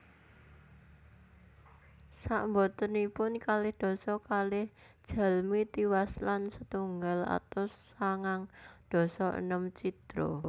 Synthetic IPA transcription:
saʔmbot̪ənipʊnkalɪhd̪̥ɔ̤sɔkalɪh | d̥ʒ̥a̤lmit̪iwaslansət̪uŋɡala̰t̪ɔsaŋaŋd̪̥ɔ̤sɔʔə̰nəmt͡ʃid̪̥ɾo̰

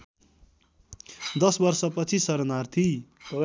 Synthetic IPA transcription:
d̪ʌsbʌrsʌpʌt͡sʰisʌɾnart̪ʰi

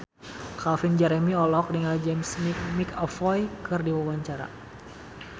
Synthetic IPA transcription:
kafind͡ʒɛɾɛmiɔlɔk̚dəŋald͡ʒɛmsmikmikɔfɔjkɨrdiwawaɲt͡ʃaɾa̰

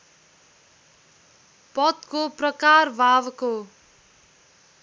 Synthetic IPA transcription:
pʌt̪koprʌkarbʱabko

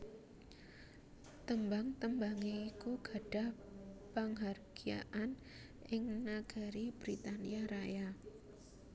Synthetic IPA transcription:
t̪əmbaŋt̪əmbaŋeikuɡ̥a̤ɖ̥a̤h | paŋɦarɡ̥ia̰ʔan | ʔɪŋnaɡ̥a̤ɾib̥ɾit̪aniaɾaja

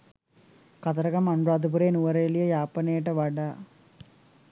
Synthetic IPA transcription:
kɐt̪ɐɾɐkɐmɐɳɾaːd̪up̬uɾeːnuʋɐɾeːlijɐjaːpːɐneːʈɐʋɐɖa

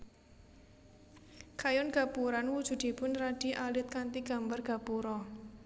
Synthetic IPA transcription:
kajɔnɡ̥a̤puɾanwud̥ʒ̥ṳd̪̥i̤bʊnraɖ̥iʔalɪt̪̚kant̪iɡ̥a̤mbarɡ̥a̤puɾɔ

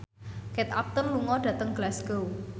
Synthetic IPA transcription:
kɛt̪ap̚t̪ənluŋɔɖ̥ä̤t̪əŋɡ̥lasɡ̥ow

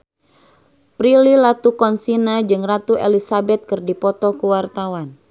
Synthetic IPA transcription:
pɾililat̪ukɔnsinad͡ʒɨŋrat̪uʔelisabɛt̪̚kɨrdipɔt̪ɔkuwart̪awan

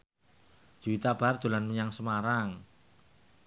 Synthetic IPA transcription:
d͡ʒ̥uit̪ab̥ard̪̥o̤lanməɲaŋsəmaɾaŋ

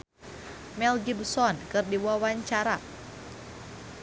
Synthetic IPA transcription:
mɛlɡibsɔnkɨrdiwawaɲt͡ʃaɾa

